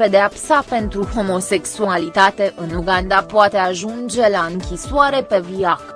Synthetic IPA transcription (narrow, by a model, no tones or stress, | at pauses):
e̞d̪eapsape̞nt̪ɾuho̞mo̞se̞ksualit̪at̪e̞ʔɨnuɡand̪apoat̪e̞aʒund͡ʒe̞laɨŋkʲiswaɾe̞pe̞viak